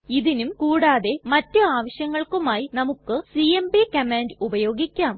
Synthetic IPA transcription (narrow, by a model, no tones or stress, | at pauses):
iðinumkuːɽaːðe̞mɐtːɨaːʋɐɕjɐŋːɐɭkumaːjinɐmukːɨsijembikɐmeːndubɐjo̞ːɡikʲːaːm